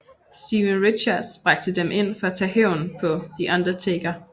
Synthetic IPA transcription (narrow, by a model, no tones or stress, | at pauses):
siʋənʁidɕɑd̥sb̥ʁɑ̈ɡ̥̚d̥əd̥emʔe̝n̰fɒ̽æt͡sʰɛ̰ːhɛʊ̰npʰɒ̽d̥iʔɑ̈nd̥ʁɐt͡sʰeɡ̥ɐ